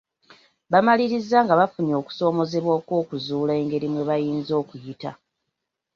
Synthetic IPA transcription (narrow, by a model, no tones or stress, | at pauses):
βamaliɾizːaŋɡaβafunio̞ːku̥so̞ːmo̞ze̞βwoːkwo̞ːkuzuːle̞ːŋɡe̞ɾimwe̞βajiːnzo̞ːkujita̰